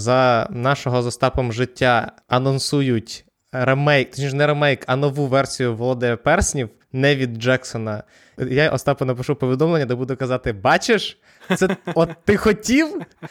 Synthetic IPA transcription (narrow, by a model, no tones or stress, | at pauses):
zɐnɑʃɔɦɔzɔst̪ɑpɔmʒɪtʲːa | ɐnɔnsujʊtʲ | ɾemɛjkt̪ɔ̥t͡ʃʲiʃnɛɾemɛjkɐnɔʋuʋɛrsʲijʊʋɔlˠɔd̪ɛpɛrsʲnʲiw | nɛʋʲid̪̚d͡ʒɛksɔnɐ | jaʔɔ̰st̪ɑpʊnɐpɪʃupɔʋʲid̪ɔmlˠenʲːɐd̪ɐbud̪ʊkɐzɑt̪ɪbɑt͡ʃeʃ | sɛɔt̪ːɪxɔtʲiw